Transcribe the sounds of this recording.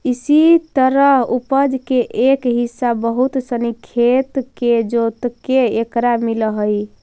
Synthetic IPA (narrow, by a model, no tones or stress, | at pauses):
isit̪əɾəɦupəd͡ʒkeʔekɦisːabəɦut̪sənikʰːet̪ked͡ʒot̪keekɾamiləɦəj